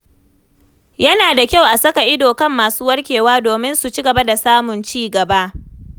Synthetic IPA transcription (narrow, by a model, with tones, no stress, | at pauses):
jɐ˦naː˨da˨kʲa˦˨wʔa˨sɐ˦ka˨ʔɪ˦doː˨kɐ˦mːaː˨suː˦wɐ˦rkʲeː˨waː˦doː˨mɪ˦nsu˨t͡ʃi˦ɡɐ˨ba˦da˨saː˦mʊ˨nt͡ʃiː˦ɡɐ˨ba˦ʔ